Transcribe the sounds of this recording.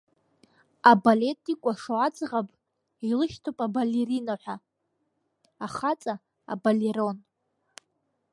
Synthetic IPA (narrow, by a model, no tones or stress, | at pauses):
abale̞tʼikʷʼaʂoad͡zʼʁapʼ | ilɨʃtʰopʼabalerinaħʷᶣa | aχat͡sʼa | a̰baleɾo̞n